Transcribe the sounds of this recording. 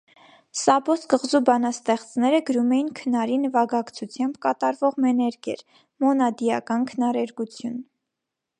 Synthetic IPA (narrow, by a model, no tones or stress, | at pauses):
sɑbɔskəʁzubɑnɑst̪ɛχt͡snɛɾəɡəɾumɛjinkʰənɑɾinvɑɡɑkt͡sʰut͡sʰjɑmbkɑt̪ɑɾvɔʁmɛnɛɾɡjɛ̰ɾ | mɔnɑd̪ijɑkɑnkʰənɑɾɛɾɡut͡sʰjun